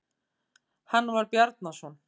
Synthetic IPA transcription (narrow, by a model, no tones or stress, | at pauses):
hanːvaɾpjaɾt̪nasɔn